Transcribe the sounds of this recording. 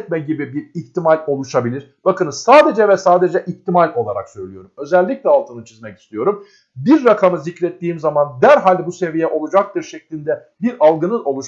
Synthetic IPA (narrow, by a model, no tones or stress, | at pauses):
t̪̚mɛɟibibiɾiçt̪ʰimalʲo̞lˠuʃabilʲiɾ̥ | b̥akɯnɯzsaːd̪e̞d͡ʒɛvɛsaːd̪e̞d͡ʒɛʔiçt̪ʰimalʲo̞lˠaɾa̰ksø̞jlʲijo̞ɾumø̞zɛlʲːiclʲɛalˠt̪ʰɯnɯt͡ʃʰizmɛci̥st̪ʰijo̞ɾum | biɾːakʰamɯzicɾɛt̪ːiːmzamand̪æɾɦalʲd̪ɛbuse̞vijɛʔo̞lˠud͡ʒak̚t̪ɯɾʃɛclʲinʲd̪ɛ | biɾalˠɡɯnɯno̞lˠuʃ